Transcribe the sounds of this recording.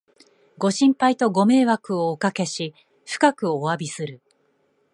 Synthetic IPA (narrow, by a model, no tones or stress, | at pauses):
ɡo̞ɕĩmpait̪o̞ɡo̞me̞ːβakɯ̟oːkake̞ɕi | ɸɯ̥kakɯ̟oabʲisɨɾɯ̟